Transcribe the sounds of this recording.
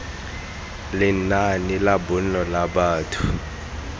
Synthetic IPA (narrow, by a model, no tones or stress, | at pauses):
lɪnanilabʊn̩ɔlabaːtʰʊ̥